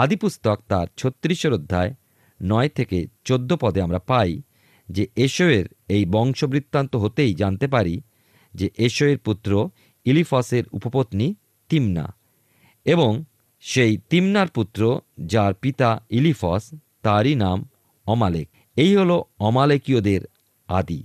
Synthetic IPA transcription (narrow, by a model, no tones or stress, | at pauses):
ad̪ipust̪ɔk̚t̪aɾt͡ɕʰot̪ːɾiʃoɾod̪ʱːae | nɔet̪ʰeket͡ɕod̪ʱːopɔd̪eamɾapaj | d͡ʑeʔeʃoeɾ | ejbɔŋʃobɾit̪ːant̪oɦot̪ejd͡ʑant̪epaɾi | d͡ʑeʔeʃoeɾput̪ːɾo | ilifɔseɾṵpopot̪ni | t̪imna̰ | eboŋ | ʃejt̪imnaɾput̪ːɾod͡ʑaɾpit̪ailifɔs | t̪aɾinam | ɔmalek̚ | ejɦoloɔmalekiod̪eɾ | a̰d̪ḭ